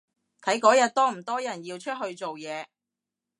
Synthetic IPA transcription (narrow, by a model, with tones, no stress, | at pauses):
t̪ʰɐ˨˥jkɔː˨˥jɐ˨t̚t̪ɔː˥m̩˨˩t̪ɔː˥jɐ˨˩njiː˧wt͡ʃʰɵ˥t̚ɦɵ˧ɥt͡so˨wjɛː˨˧